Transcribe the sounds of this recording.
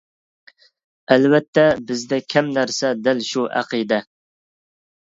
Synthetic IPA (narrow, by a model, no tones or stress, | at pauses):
ælvɛt̪ʰːɛbɪzd̪ɛkʲʰɛmnæɾsɛd̪ɪlʃuʔæ̰qid̪ɛ